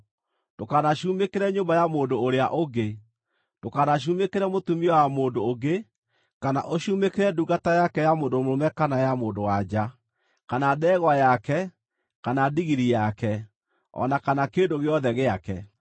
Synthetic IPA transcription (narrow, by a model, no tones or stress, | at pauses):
d̥okanaɕumekeɾɛɲombajamoːndoːɾeaʔoɡe | d̥okanaɕ̬umekeɾɛmotumiɔwamoːndoːɡe | kana̰ʔoɕumekeɾɛduɣatajakɛjamoːndomoɾomɛkanajamoːndowad͡ʒa | kanaðɛɣwajakɛ | kanadiɣiɾijakɛ | ɔ̰nakanakendoɣeɔðɛɣeakɛ